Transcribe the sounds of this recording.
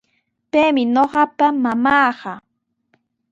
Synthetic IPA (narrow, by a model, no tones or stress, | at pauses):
pejmɪnoɢɑpamamɑːɢɑ